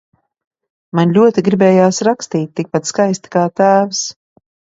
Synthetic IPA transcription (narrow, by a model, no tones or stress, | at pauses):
manlʲuɔt̪iɡɾibɛːjaːsɾakst̪iːt̪̚ʲtːik̚pat̪skajst̪i̥kaːt̪æːvs